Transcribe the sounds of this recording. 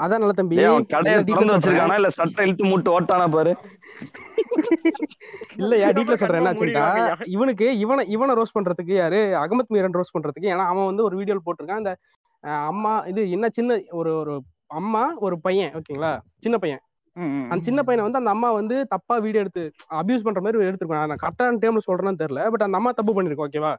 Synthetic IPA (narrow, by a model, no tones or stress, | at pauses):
ɐðãːnɐlːɐt̪̬ɐmbiɐɐ̃kɐɽɐjaɖiːɐɾɐnd̪ɯʋɛt͡ʃːɯɾɯkːãːnãːɪlːɐsɐʈːɐ̃ɛlɯt̪ːɯmuːʈːɯoːʈːaːnaːp̬aːɾɯ | ɪlːɐjaːɾɖiːʈ̬ːlɐsɔlɾãːɛnːaːt͡ʃɪnt̪aːɪʋɐnɯk̬ːɯɪʋɐnɐ̃ɪʋɐnɐ̃ɾoːspɐɳːɾɐðɯk̬ːɯjaːɾɯɐɣɐmɐt̪ːmiːɾɐnɾoːspɐɳːɾɐðɯkːɯeːnaːɐʋaːʋɐnd̪ɯɔɾɯʋiːɽɪjoːlp̬oːʈːɯɾɯkːãːɪnd̪ɐ | ɐmːaːɪðɯɛnːɐt͡ʃɪnːɐɔɾɯɔɾɯ | ɐmːaːɔɾɯpɐjɐ̃ʔoːkːeŋɡɐɭaːt͡ʃɪnːɐpɐjɛ̃ | ɐnd̪ɐt͡ʃɪnːɐp̬ɐjɐ̃nʋɐnd̪ɯɐnd̪ɐmːaːʋɐnd̪ɯt̪ɐpːaːʋiːɽɪɛɽɯt̪ːɯɐbjuːs̬pɐɳːɾɐmaːɾiɛɽɯt̪ːɯkːõanãkɐʈːaːnʈeːmlsɔlɾnaːt̪ɛɾɪlɐbɐʈːɐnd̪ɐmːaːt̪ɐpːɯpɐɳːɪɾɯkːõoːk̬ːeːʋaː